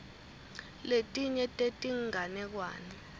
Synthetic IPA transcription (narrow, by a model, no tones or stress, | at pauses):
letʼiɲɛtʼetʼiŋʱanɛk̬wa̰ːnɛ